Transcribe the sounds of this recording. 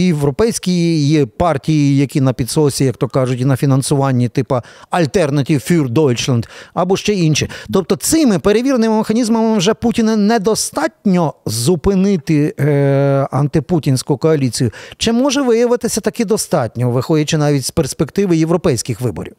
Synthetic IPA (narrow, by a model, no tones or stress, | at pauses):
jeʋɾɔpɛjsʲkʲijijipɑrtʲijijɐkʲinɐpʲid̪sɔsʲijɐkt̪ɔkɑʒʊtʲinɐfʲinɐnsʊʋɑnʲːit̪ɪpɐɐlʲt̪ɛrnɐtʲiwfʲurd̪ɔlʲt͡ʃlˠɐnd̪ɐbɔʃt͡ʃɛinʃit̪ɔp̚t̪ɔt̪sɪmɪpeɾeʋʲirnɪmɪmexɐnʲizmɐmɪwʒɛputʲinɐnɛd̪ɔst̪ɑtʲnʲɔzʊpɪnɪt̪ɪ | ɐ̰nt̪ɪputʲinʲsʲkʊkɔɐlʲit͡sʲijʊt͡ʃɪmɔʒɛʋɪjɐʋɪt̪ɪsʲɐt̪ɐkɛd̪ɔst̪ɑtʲnʲɔʋɪxɔdʲɐt͡ʃɪnɑʋʲitʲsperspekt̪ɪʋɪjeʋɾɔpɛjsʲkɪxʋɪbɔ̰ɾʲḭw